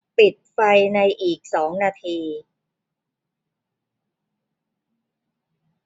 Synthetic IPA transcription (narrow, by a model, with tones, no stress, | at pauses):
pi˨˩t̪̚fa˧jna˧jʔiː˨˩k̚sɔː˩˦ŋnaː˧t̪ʰiː˧